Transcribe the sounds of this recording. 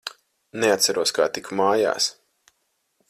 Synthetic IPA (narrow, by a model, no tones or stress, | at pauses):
neat̪saɾuɔskaːt̪ikmaːja̰ːs